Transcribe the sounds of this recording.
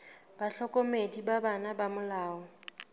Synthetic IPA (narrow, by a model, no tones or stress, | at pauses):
b̥aɬɔkʼomedibabanabamʊlaːɔ